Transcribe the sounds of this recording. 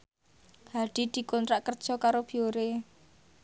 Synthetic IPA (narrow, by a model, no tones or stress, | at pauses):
haɖ̥i̤d̪̥i̤kɔnt̪ɾaʔkərd̥ʒ̥ɔ̤kaɾob̥ioɾe